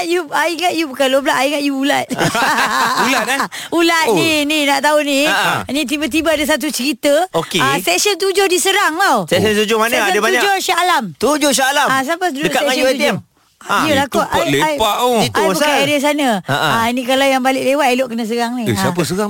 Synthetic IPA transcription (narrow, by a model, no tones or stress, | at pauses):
juaiŋaʔjubukanloblaʔaiŋaʔjuulat̪̚ | ulat̪̚a | ulat̪nininaʔt̪auninit̪̬ibat̪̬ibaadas̬at̪̬ut͡ʃəɾit̪əokeasɛk̚sənt̪̬ud͡ʒʊhdisəɾaŋlawsɛksənt̪ud͡ʒʊhmanaədəbauɲad͡ʒoʃalamt̪ud͡ʒoʃ̬aalamas̬apəsdəkaauaut̪iam | ajulakɔʔaleapaʔoit̪jbukaaɾiəs̬anəaʔainikalawjaŋbalɪʔlewat̪ajloʔkənas̬əɾaŋnisaap̬əsəɾaŋ